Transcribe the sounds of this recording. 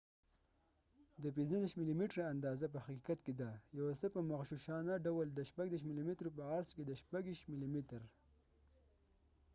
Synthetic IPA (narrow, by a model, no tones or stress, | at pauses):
d̪əpinzəniʃmilimiʈɾaand̪ɑzap̬əhakikat̪ked̪ajawasəpəmaxʃuʃɑnaɖawəld̪əʃpaɡd̪eʃ̬milimit̪ɾopəaɾsked̪əʃpaɡiʃmilimit̪ɾ